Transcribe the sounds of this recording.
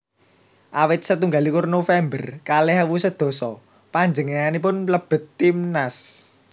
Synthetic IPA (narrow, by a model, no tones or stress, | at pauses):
ʔawɪt̪̚sət̪uŋɡalikʊrnofɛmbərkalɛɦawusəd̪̥ɔ̤sɔ | paɲd͡ʒəŋenanip̬ʊnləb̥ə̤t̪ːimnas